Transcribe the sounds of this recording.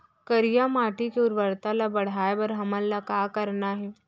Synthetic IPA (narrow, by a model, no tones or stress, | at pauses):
kəɾijamaʈikeuɾʋəɾt̪alabəɽ̤ajbəɾɦəməlːakakəɾnaɦe